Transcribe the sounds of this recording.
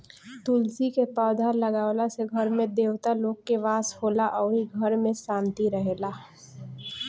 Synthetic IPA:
t̪ulsikepaːd̪ʱaləɡaːwlaseɡʱəɾmẽd̪eːwt̪aloːɡkeʋaːshoːlaʔɔːɾiɡʱəɾmẽsãːnt̪iɾəɦeːlaː

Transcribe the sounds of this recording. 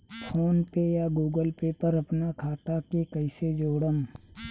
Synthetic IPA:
pʰoːnpejaɡuːɡəlpepəɾɐpnakʰaːt̪akekɐɪsed͡ʒoːɽəm

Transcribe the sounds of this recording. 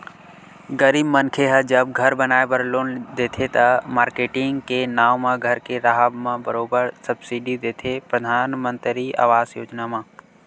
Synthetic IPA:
ɡəɾiːbmənkʰeɦəd͡ʒəb̚ɡʱɐɾbənaːebəɾloːnd̪eːt̪ʰet̪ɐmaːɾkeːʈɪ̃ŋɡkenaːʋmãɡʱəɾkeɾaɦəbmãbəɾoːbəɾsɐbsiɖid̪eːt̪ʰepɾəd̪ʱaːnmə̃nt̪ɾia̰ːʋaːzjoːd͡ʒnamãː

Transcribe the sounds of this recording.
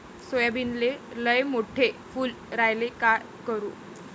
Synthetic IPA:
sojabinleləjmoʈʰefuːl | ɾajleka | kəɾṵː

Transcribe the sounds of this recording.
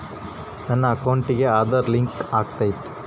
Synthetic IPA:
nɐnːɐːkɐwɳʈiɡe̞aːd̪ɐɾliŋkaːɡ̚t̪aːjit̪ːu̥

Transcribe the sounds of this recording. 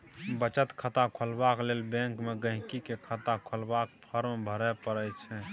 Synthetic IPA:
bət͡ʃət̪kʰət̪akʰəlbaklelbɛ̃ŋkmeɡə̃ɦkikekʰət̪akʰəlbakpʰəɾmbʱəɾɛpəɾət͡ʃʰɛ

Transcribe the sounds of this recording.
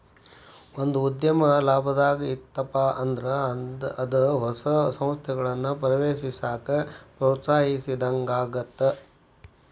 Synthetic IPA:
ond̪uːd̪jɐmɐlaːbʱɐd̪aːɡɐit̪ːɐpaʔɐnd̪ɾɐɐd̪ɐɦɔsɐsɐ̃m̃st̪ʰɛɡɐɭɐnːupɾɐʋeːʃisaːkɐpɾoːt̪saːɦisid̪ɐŋɡaːɡɐt̪ːe

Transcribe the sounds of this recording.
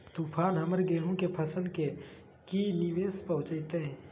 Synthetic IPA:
t̪uːpʰaːnɦɐməɾɡeːɦõkepʰɐsənke | kiniʋeːspɐɦʊ̃t͡ʃəːt̪eɦɛ̃ː

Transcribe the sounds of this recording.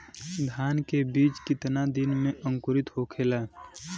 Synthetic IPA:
d̪ʱaːnkebiːt͡ʃkɪt̪nad̪ɪnmẽʔəŋkʊɾɪt̪ɦokʰelaː

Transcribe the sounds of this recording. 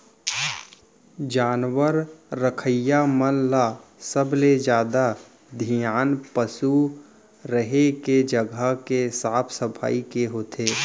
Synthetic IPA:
d͡ʒaːnwəɾːəkʰəjamənlasəbled͡ʒjaːd̪a | d̪ʱijaːnpəsu | ɾəɦeked͡ʒəɡʱəkesaːpʰsəpʰa̰ːikeɦoːt̪ʰeː

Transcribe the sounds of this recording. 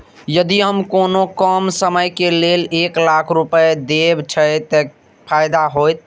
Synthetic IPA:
jəd̪iɦəmkonokəmsəməjkeleleklakʰɾupəjd̪ebt͡ʃʰət̪ə | pʰaɪd̪aɦojt̪̚

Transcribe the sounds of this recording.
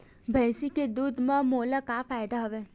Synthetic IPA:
bʱə̃jsiked̪ud̪mãmolakafajd̪aɦəʋe

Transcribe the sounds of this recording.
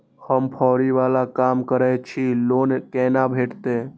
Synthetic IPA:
həmpʰɔːɾiʋaːlakaːmkəɾɛjt͡ʃʰiloːnkɛːnabʱeːʈt̪e

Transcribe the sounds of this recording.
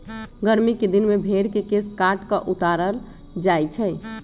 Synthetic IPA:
ɡəɾmiked̪inmebʱeɾkekeskaʈkəʔut̪aɾəl | d͡ʒajt͡ʃʰɛɪ

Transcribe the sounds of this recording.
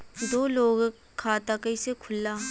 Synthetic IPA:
d̪oːloːɡ | kʰaːt̪akɐɪsekʰʊlːaː

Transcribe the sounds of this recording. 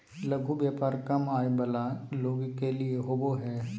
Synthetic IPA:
lɐɡʱubjaːpaːɾkɐmaːjbɐlaloːɡkelieɦoboɦɛː

